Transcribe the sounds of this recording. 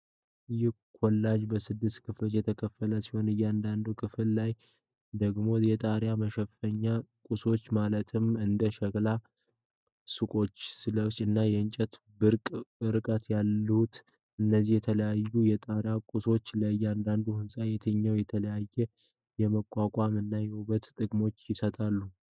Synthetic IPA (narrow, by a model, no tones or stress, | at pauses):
ʔɨjɪh | kʰolːad͡ʒbəsɨd̪ːɨst̪kʰɨfjɛt̪ʰəkʰəfːələsiho̞nɨjːand̪and̪ukʰɨfɨllaj | d̪əɡmo̞jɛt̪ʼaɾjaməʃɛfəɲːakʼuso̞t͡ʃːmalət̪ʰɨmɨnd̪əʃəɡla | sɨkʼo̞t͡ʃːsɨləɨnːajɛɨɲt͡ʃʼɛt̪ | bɨɾkʼɾɨkʼət̪jalːut̪ | ɨnːəzihjɛt̪ʰələjajːujɛt̪ʼaɾjakʼuso̞t͡ʃːlajːand̪and̪uhɨnsʼajɛt̪ʰəɲːawjɛt̪ʰələjajːɛ | jɛməkʼːakʼamɨnːajɛuβət̪t̪ʼɨɡmo̞t͡ʃːjɪsət̪ʼalːu